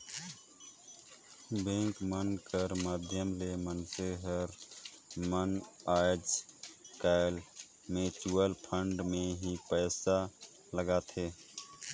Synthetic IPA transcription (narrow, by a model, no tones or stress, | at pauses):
bẽːŋkmənkəɾmaːd̪ʱjəmlemənseɦəɾ | mənaːd͡ʒkaːɪl | mẽt͡ʃuːəlpʰə̃ɳɖmẽɦipɛːsa | ləɡat̪ʰeː